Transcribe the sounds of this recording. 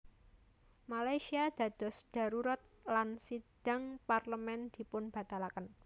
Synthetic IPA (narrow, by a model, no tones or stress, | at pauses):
malajsiad̪̥ä̤d̪̥ɔ̤sd̥a̤ɾuɾat̪̚lansid̥a̤ŋparləmɛnd̪̥i̤pʊnb̥a̤t̪alakən